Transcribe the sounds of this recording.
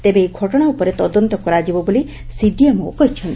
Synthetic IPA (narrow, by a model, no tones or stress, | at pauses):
t̪ebeːɡʱɔʈɔɽ̃aupɔɾet̪ɔd̪ɔnt̪ɔkɔɾad͡ʒibɔboli | siɖiemokɔɦit͡ʃʰɔnt̪